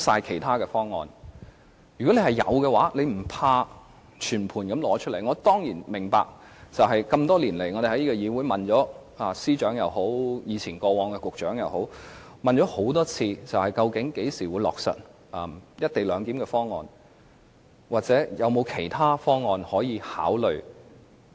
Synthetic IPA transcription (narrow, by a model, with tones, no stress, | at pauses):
saː˧jkʰe˨˩jt̪ʰaː˥kɛː˧fɔː˥ŋːɔː˨n | jy˨kɔ˨˥ne˧hɐ˨jɐ̰˨˧wkɛː˧waː˨˥le˨˧jm̩˨˩pʰaː˧ | t͡ʃʰyː˨˩npʰuː˨˩nkɐ˨˥mlɔː˨˥t͡ʃʰɵ˥le˨˩jŋɔ˨˧t̪ɔː˥ŋjiː˨˩nmɪ˨˩ŋpa̰ː˧˨k̚ | t͡sɐ˨wɦɐ˨jkɐ˧mt̪ɔː˥liː˨˩nle˨˩jŋɔː˨˧d̪e˨˩hɐ˨˦ji˥ɔ˧jiː˨˧wuː˨˥jmɐ˨nt͡ʃɔː˨˥aː˨˧siː˥t͡ʃœː˨˥ŋjɐ˨˧who˨˥wjiː˨˧t͡sʰiː˨˩nkɔː˧wɔː˨˧ŋkɛ˧kʊ˨k̚t͡ʃœː˨˥ŋjɐ˨˧who˨˥w | mɐ˨nt͡ʃɔː˨˥ho˨˥wt̪ɔː˥t͡sʰiː˧t͡sɐ˨whɐ˨jkɐ˧wkɪ˨˥ŋke˨˥jsiː˨˩wuː˨˧jlɔ̰ː˨˩k̚sɐ̰˨t̚ | ɐː˨mjɐ˥t̚t̪e˨˩jlœː˨˧ŋkiː˨˥mkɛː˧fɔː˥ŋːɔ̰ː˨˧n | waː˨˩t͡sɛː˨˥jɐ˨˧wmo˨˧wkʰe˨˩jt̪ʰaː˥fɔː˥ŋɔː˨nhɔː˨˥jiː˨˧ha̰ː˨˥wlɵ˨ɥ